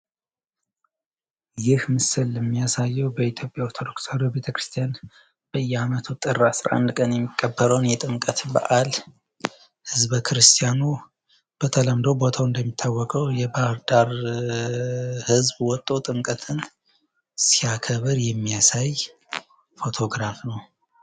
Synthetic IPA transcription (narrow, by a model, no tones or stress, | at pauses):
jɪhmɨsɨlɛmːijasajːɛwbəit̪ʰjo̞pʼjaoɾt̪ʰo̞d̪o̞ksəɾobe̞t̪ʰəkɾɨst̪ʰijan | b̥əjːɛamət̪ʰut̪ʼɨrːasɾa̰ʔa̰nd̪kʼənjɛmːikʼːəbːəɾəwnjɛt̪ʼɨmkʼət̪ba̰ʔal | hɨzbkʰɨɾɨst̪ʰjanu | b̥ət̪ʰələmd̪owbo̞t̪ʰawɨnd̪əmːit̪ʰːawːɔkʼəwjɛbahɾd̪aɾ | hɨzbwɔt̪ʼːo̞t̪ʼɨmkʼət̪ʰɨn | sijakʰəβɨɾjɛmːijasaj | fo̞t̪ʰo̞ɡɾafnəw